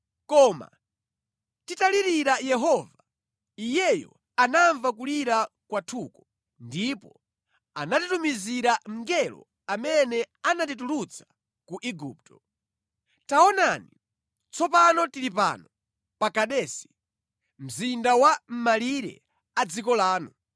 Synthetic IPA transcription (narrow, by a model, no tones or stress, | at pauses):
kɔːma̰ | titaliɾiɾajɛɦɔva | ijɛjɔ̰ | anaɱvak̬uliɾa | kwatʰukɔ | ndipɔ | anatitumiziɾaŋ̩ɡɛlɔ̰ | amɛnɛ | anatit̬ulut͡sʰḁ | kuʔiɡuːp̚tʰɔ̥ | taɔnani | t͡sʰɔpanɔtilip̬a̰nɔ | pakaɗɛːsi̥ | m̩zindawam̩maliɾɛ̰ | ad͡zikɔlaːnu